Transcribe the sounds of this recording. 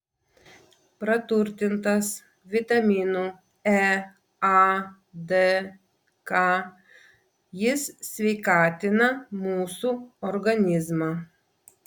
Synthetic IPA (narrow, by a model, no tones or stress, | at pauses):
pɾɐt̪ʊɾʲt̪ʲɪnt̪ɐs | ʋʲɪt̪ɐmʲiːnuː | ɛ | ɑ | d̪ɛ | kɑ | jɪssʲʋʲɛɪkɑːt̪ʲɪnɐmuːsuːɔɾɡɐnʲɪzmɑː